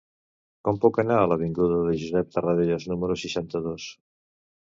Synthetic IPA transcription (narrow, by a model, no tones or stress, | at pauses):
kɔmpukənaələβ̞iŋɡuðəðəʒuzɛp̚t̪ərəðeʎəznuməɾusiʃant̪əðos